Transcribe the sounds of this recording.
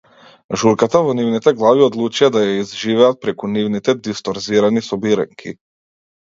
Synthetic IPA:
ʒuɾkat̪avɔnivnit̪ɛɡlˠaviod̪lˠut͡ʃijad̪ajaizʒivɛat̪̚pɾɛkunivnit̪ɛd̪ist̪ɔɾziɾanisɔbiɾɛ̰ŋkʰḭ

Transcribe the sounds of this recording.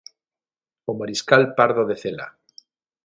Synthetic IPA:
omaɾiskalpaɾðoðeθela̰

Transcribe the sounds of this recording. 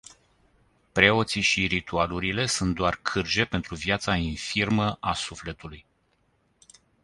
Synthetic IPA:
pɾe̞o̞t̪siʃiɾit̪ualuɾile̞sunt̪̚d̪oarkʰɨrd͡ʒe̞pe̞nt̪ɾuvjat̪sainfirməʔasufle̞t̪uluj

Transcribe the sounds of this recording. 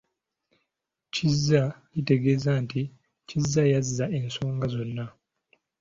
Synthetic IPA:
cizːacite̞ɡeːzanti | cizːajazːaʔe̞nso̞ːŋɡazo̞nːa

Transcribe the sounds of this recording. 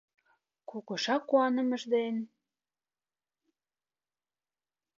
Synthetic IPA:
kukɤ̆ʃɑkːuɑnə̆mə̆ʒd̪en

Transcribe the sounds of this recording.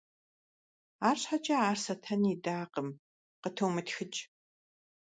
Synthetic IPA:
aːrɕħat͡ʃʼɐaːrsɐtʰɐnidaːqəm | qətʰowmɨtxɨt͡ʃʼ

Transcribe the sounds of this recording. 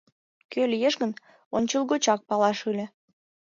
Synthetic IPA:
kølʲijeʃɣən | onʲt͡ɕəlˠɣot͡ɕɑk̚pɑlɑʃylʲĕ

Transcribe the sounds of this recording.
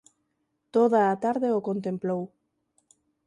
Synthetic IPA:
t̪oðaːt̪aɾðeokont̪̬emplow

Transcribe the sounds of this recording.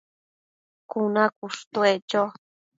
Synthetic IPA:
kunakuʂt̪wet͡ʃo

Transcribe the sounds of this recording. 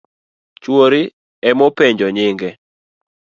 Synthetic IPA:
t͡ʃwoɾɪ | ɛmopeɲd͡ʒɔɲɪŋɡɛ

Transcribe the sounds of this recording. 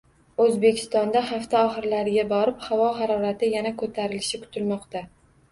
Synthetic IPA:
ɵzbe̞kʲʰɪ̥st̪ɒnd̪ahaft̪ʰaɒχɨɾlaɾɪɡʲabɒɾɪphavɒɦaɾɒɾat̪ʰɪjanakʰɵt̪ʰaɾɪlɪʃɪkʰʊ̥t̪ʰɪlmɒqt̪a

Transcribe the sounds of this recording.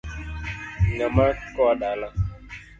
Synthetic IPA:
ŋamakɔɗala

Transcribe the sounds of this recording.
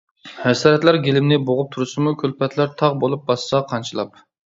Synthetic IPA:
hɛsɑːɾɛt̪læɾɡʲelɪmnɪboʁʊp̚t̪ʰuɾɨsɨmukʲʰølpʰɛt̪ʰlæɾt̪ʰɑʁbolˠup̚bɑsːɑqʰɑnt͡ʃʰɨlˠɑp

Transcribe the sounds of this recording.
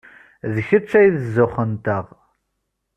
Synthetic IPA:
ðəçət͡sːæjðəzʊχənt̪əʁ

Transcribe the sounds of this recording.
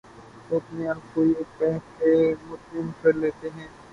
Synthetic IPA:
ʊpneabkoːieːk̚pɛɦksemʊt̪nɪmkɐɾleːt̪eɦɛ̃ː

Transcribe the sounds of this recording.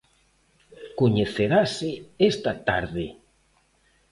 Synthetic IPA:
koɲeθeɾaseest̪at̪aɾðɪ

